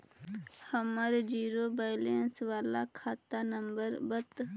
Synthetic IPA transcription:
hɐmaːɾed͡ʒiːɾobajlensʋaːla̰kʰaːt̪anəmbəɾbət̪

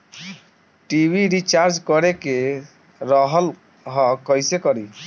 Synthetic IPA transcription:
ʈibʱiɾit͡ʃaɾd͡ʒkɔɾeke | ɾɔɦɔl | ɦɔkɔjsekɔɾi

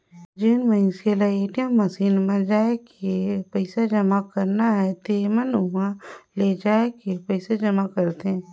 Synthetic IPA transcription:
d͡ʒɪnmə̃ɪselaeːʈijəmːɐsiːnmãd͡ʒaːekepəɪsad͡ʒɐmakɐɾnaɦɛt̪eːmənʊɦãled͡ʒaːekepəɪsad͡ʒɐmakəɾt̪eɦɛ̃ː

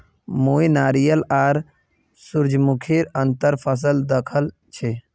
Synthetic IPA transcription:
moːinaːɾijəlaːɾ | suɾd͡ʒmukʰiɾənt̪əɾpʰəs̬əld̪əkʰəl | t͡ʃʰe

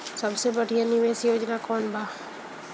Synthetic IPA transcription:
sɐbsebəɽ̤ʱijanɪʋeːsjoːd͡ʒnakɔːnbʱaː

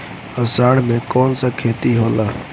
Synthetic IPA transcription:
əsaːɽ̤mekɔːnsə̃kʰeːt̪iɦoːlaː

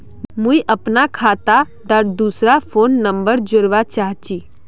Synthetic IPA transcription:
muiʔəpnakʰaːt̪a | ɖaɾd̪uːsɾafʰoːnːə̃mbəɾd͡ʒʊɾʋat͡ʃaːɦt͡ʃiː

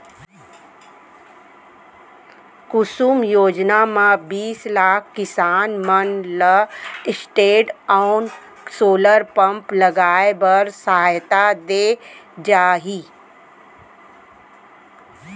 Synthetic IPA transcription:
kʊsuːmjoːd͡ʒnamãbiːslaːkʰkɪsaːnmənləɪsʈeːɖaʊn | soːləɾpə̃mpləɡaːebəɾsəɦaːjt̪ad̪eːd͡ʒaːɦiː

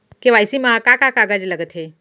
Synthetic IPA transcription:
keʋajsimaakakakaɡad͡ʒləɡət̪ɦe

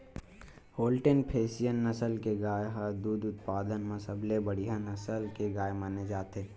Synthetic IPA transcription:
hoːlʈenpʰeːsijənːəsəlkeɡaːjɦəd̪uːd̪ʊt̪paːd̪ənməsəblebəɽiɦãnəsəlkeɡaːjmaːned͡ʒaːt̪eː

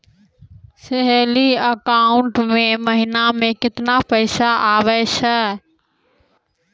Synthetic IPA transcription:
sɪɦeliəkaːʊɳʈmẽməɦɪnamẽkɪt̪napəɪsaaːʋɛsɛ

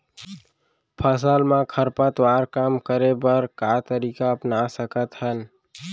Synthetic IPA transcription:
pʰəsəlmãkʰəɾpət̪waɾkamkəɾebəɾkat̪əɾikaəpnasəkət̪ɦən

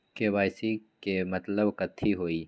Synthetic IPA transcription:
keʋaːjsikemɐt̪ləbkɐt̪ʰːiɦoːiː

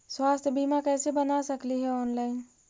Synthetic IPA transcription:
swaːst̪ʰjəbimakɛːsebənasəkliɦɛɔːnlaɪn

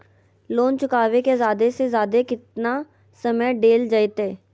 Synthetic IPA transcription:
loːnt͡ʃʊkaːʋekezjaːd̪esezjaːd̪ekɪt̪na | səməjɖeːld͡ʒəet̪eː

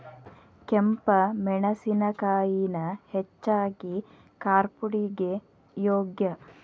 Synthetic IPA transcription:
kempɐmɛɳɐsinɐkaːjinɐhet͡ʃːaːɡi | kaːɾpuɽiɡe | joːɡjɐ

